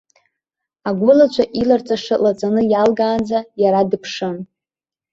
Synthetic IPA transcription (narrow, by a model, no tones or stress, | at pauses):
aɡʷʊlat͡ʃʷʰaʔilart͡sʼaʂɨlat͡sʼanɨjalɡaːnd͡zajaɾadɨpʰʂɨn